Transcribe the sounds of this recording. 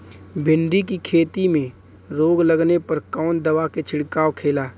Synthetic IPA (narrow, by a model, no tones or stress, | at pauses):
bʱɪ̃ɳɖikikʰeːt̪imẽ | ɾoːɡləɡnepɐɾkɔːnd̪ɐʋaket͡ʃʰɪɽkaːwkʰeːlaː